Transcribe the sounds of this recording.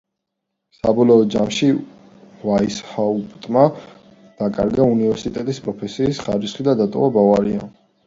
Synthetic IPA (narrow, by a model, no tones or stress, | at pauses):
sa̰bɔlɔːd̪d͡ʒamʃi | vaishaupʼt̪ʼma | d̪̥akʼa̰ɾɡaunivɛɾsit̪ʼɛt̪ʼispʼɾɔpʰɛsiːsχaɾisχid̪ad̪at̪ʼɔ̰vabavaɾia̰